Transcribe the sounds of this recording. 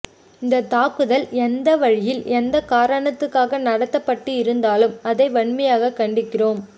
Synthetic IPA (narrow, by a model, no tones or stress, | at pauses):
ɪnd̪ɐt̪aːkɯðɐlɛnd̪ɐʋɐɻɪjɪlɛnd̪ɐkaːɾɐɳɐt̪ːɯkːaːɣɐnɐɽɐt̪ːɐpːɐʈːɯɪɾɯnd̪aːlɯmɐðɐɪʋɐɳmɐjaːɣɐkːɐɳɖɪkːɪroːm